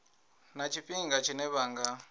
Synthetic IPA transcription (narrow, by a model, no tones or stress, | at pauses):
nat͡ʃʰiɸiŋɡat͡ʃʰinɛβaːŋɡa